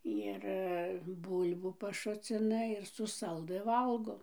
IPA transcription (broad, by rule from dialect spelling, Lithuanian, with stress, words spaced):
ɪr ˈbʊlʲbuː pɐˈʃʊt͡sʲɪnɐ ɪr sʊ ˈsɐlˠdɨ ˈʋɐlˠɡoː